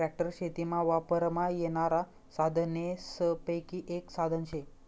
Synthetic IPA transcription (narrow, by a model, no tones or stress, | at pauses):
ɾæk̚ʈəɾɕet̪imaʋapəɾmajeɽ̃aɾa | sad̪ʱnjesəpəjkiːʔeksad̪ʱənɕe